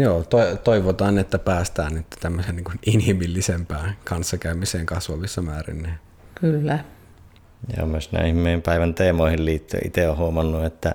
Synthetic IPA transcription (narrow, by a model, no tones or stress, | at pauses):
joːt̪oit̪oiʋot̪ɑːnniet̪ːæpæːst̪æːnnyt̪ːt̪æmːøsenniːŋkuninhimilːisempæːkɑnsːɑkæymiseːŋkɑsʋɑʋisːɑmæːrḭnːeː | kylːæ | jɑ̰o̰mmyøˑsnæ̰ˑihmˑeˑːimpæˑiʋænt̪eːmoˑihilliːt̪ːø̰ʔḭt̪eohuomɑnːuet̪ːæ